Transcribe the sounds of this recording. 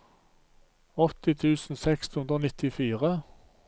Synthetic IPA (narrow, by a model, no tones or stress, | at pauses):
ɔt̪ɪt̪ʰʉːsn̩sɛkshʉnd̪ʁoːnɪt̪ɪfiːʁə